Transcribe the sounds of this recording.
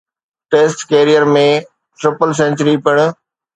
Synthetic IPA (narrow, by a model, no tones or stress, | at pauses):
ʈeːsʈkeːɾijəɾmẽ | ʈɾɪpəls̬ẽnt͡ʃəɾipɪɽ̃